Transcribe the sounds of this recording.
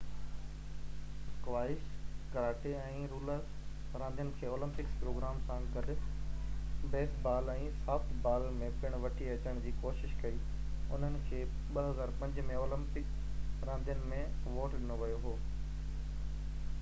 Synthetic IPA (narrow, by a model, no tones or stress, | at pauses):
skʋaːɪʃkɐɾaːʈeɛ̃ːɾuːlə | ɾãːnd̪ijənɪ̆kʰeːoːlɪ̃mpɪkspɾoːɡɾaːmsãɡɐɗʊ̆ | beːsbaːlɛ̃ːsaːft̪ʰbaːlmẽpɪɽ̃ʋɐʈʰiɐt͡ɕəɽ̃d͡ʑiːkoːʃɪʃkɐi | ʊ̰n̤ənɪ̆kʰeː | ɓɐɦɐzaːɾpɐ̃ɲd͡ʑmẽoːlɪ̃mpɪk | ɾãːnd̪ʱijənɪ̆mẽ | ʋoːʈɗɪnoʋɐjoɦoː